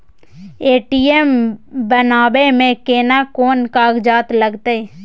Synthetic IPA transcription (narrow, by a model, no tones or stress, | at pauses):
eːʈiːembənaːbemẽkeːnakoːnkaːɡd͡ʒaːt̪ləɡt̪ee